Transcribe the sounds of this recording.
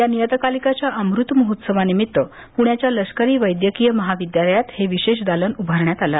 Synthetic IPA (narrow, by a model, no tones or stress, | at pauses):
janijət̪əkalikat͡ɕjaʔəmɾut̪məɦut̪səʋanimit̪ːə | puɳjat͡ɕjaləskəɾiːʋəjd̪jəkijəməɦaʋid̪jaləjat̪heʋiɕeɕd̪alənubʱəɾɳjat̪ala